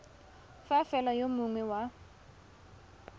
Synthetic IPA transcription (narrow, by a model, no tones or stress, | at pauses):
fafɛlajomʊŋwɛwa